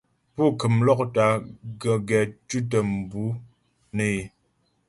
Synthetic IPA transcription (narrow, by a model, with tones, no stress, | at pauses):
pu˦˨kɨ˨mlɔ˦k̚ta˨˦ɡə˨ɡɛ˨t͡ʃu˦t̬ə˨m̩˨bu˨˦ | ne˦˨e˨